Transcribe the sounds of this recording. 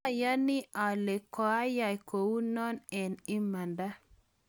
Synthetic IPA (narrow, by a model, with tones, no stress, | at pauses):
ja˦ni˦ʔa˨le˨kɔ˨a˦ja˨jko˨wu˦nɔ˦nɛ˨ni˦ma˨nda˦